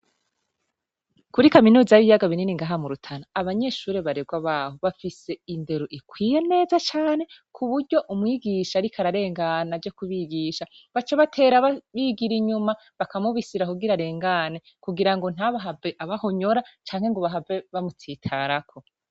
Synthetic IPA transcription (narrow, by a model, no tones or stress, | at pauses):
kuɾikaminuːzajβijaɡaβininiŋɡaɦamuɾutʰanaːβaɲe̞ʃuːɾe̞βaɾe̞ɡwaβaːhoβafise̞inde̞ɾoʔikwiːje̞ne̞ːzat͡ʃaːne̞kʰuβuɾɟo̞ʔumŋiːɡiʃaːɾikʰaɾaɾe̞ːŋɡanavjɟo̞kuβiɡiʃa | βat͡ʃeβatʰe̞ːɾaβaβiɡiɾiɲuma | βakamuβisiɾakuɡiɾaɾe̞ːŋɡane̞ | kuɡiɾaŋɡo̞n̥haβaɦaveʔaβaho̞ɲo̞ɾat͡ʃaːŋhe̞ŋɡoβaɦaveβamutʰiːtʰaɾakʰo̞